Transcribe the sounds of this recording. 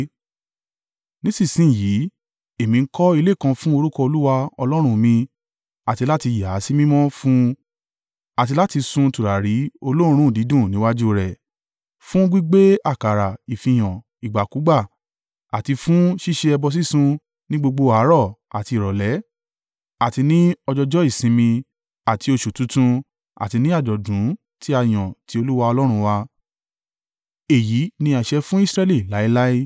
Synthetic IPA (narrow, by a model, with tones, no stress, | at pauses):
nĩ˦sĩ˦˨sĩ˦˨jiː˨˦ | e˦˨mĩ˧˦kɔ˦i˧le˦˨kã˧fũ˦o˧ɾu˦kɔ˧o˧lu˦wa˧ɔ˧lɔ˦ɾ̃ũ˧mĩ˧ | a˨ti˧la˦ti˧ja˨˦si˦mĩ˦mɔ̃˦fũ˦ | a˨t̬i˧la˦ti˧sũ˧tu˨ɾa˨ɾi˨˦o˧lõ˦˧ɾ̃ũ˦˨di˨˦dũ˦˨nĩ˨˦wa˦d͡ʒu˦o˧ɾɛ˨ | fũ˦ɡ͡bi˦ɡ͡be˦a˦˨ka˨ɾa˨i˨fĩ˧˨j̃ã˨ | i˨ɡ͡ba˨ku˨˦ɡ͡ba˦˨ | a˨ti˧fũ˦ʃi˦˨ʃe˧ɛ˧bɔ˧s̬i˦sũ˧ | nĩ˦ɡ͡bo˧ɡ͡bo˧a˨˦ɾɔ˦˨a˨ti˧˨ɾɔ˨lɛ˨˦ | a˨ti˧nĩ˦ɔ˧d͡ʒɔ˧d͡ʒɔ˦i˦˨sĩ˧mĩ˧ | a˨ti˧o˧ʃu˨tũ˨˦tũ˧ | a̰˨ti˧nĩ˦a˦˨d͡ʒɔ˨dũ˨˦ | ti˦a˧˨j̃ɔ̃˨ti˨˦o˧lu˦wa˧ɔ˧lɔ˦ɾ̃ũ˧wa˧ | e˨ji˨˦nĩ˧a˨ʃɛ˧fũ˦i˦sɾɛ˧li˦˨la˨˦i˦la˦i˦